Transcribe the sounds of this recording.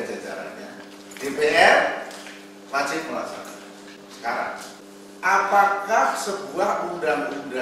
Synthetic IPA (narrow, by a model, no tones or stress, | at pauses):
d͡ʒad͡ʒa̰ɾa̰nɲa̰ | d̥epeʔɛr | mat͡ʃɪhmula̰sa̰na | sə̥kaɾa̰ŋ | ʔapakahsəb̥uahʔundaŋunda